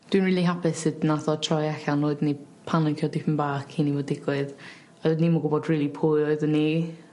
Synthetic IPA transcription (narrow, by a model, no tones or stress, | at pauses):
d̥winrɹiːlˠiɦapɪsɨdnaθɔtʰrɔjɛɬanoɨdni | pʰanənkʰjɔdɪpʰənbaːkʰinivɔdɪɡ̥wɪð | ɔdnimɔɡʊbɔdriːlˠipʰujɔɨðəni